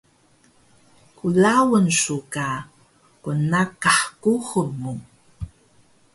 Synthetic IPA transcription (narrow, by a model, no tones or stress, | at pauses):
kulawənsuka | kunakaħkuʁəmu